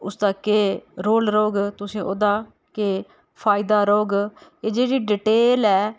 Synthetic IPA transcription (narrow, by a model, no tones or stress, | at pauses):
ʊsd̪aːkeːɾoːlɾoːɡt̪ʊsĩːʔoːd̪aː | keː | pʰaːɪd̪aːɾoːɡeːd͡ʒeːɽiːɖiʈeːlɛː